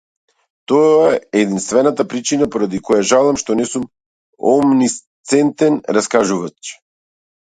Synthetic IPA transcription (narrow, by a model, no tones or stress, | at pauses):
t̪ɔaːd̪inst̪vɛnat̪apɾit͡ʃinapɔɾad̪ikɔjaʒalˠamʃt̪ɔnɛsum | ɔmnist̪sɛnt̪ɛnɾaskaʒuvat͡ʃ